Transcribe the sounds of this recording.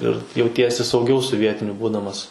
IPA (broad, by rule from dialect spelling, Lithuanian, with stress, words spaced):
ɪr jɛʊˈtʲiɛsʲɪ sɐʊˈɡʲɛʊ sʊ ˈʋʲiɛtʲɪnʲʊ ˈbuːdɐmɐs